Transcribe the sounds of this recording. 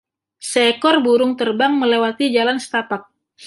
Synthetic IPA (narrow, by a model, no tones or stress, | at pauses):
sekɔrbuɾʊŋt̪ərbaŋməlewat̪id͡ʒalansə̥t̪apak̚